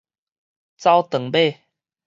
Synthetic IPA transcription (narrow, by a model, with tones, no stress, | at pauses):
t͡sa˥˦wt̪ə˨˩ŋbe˥˨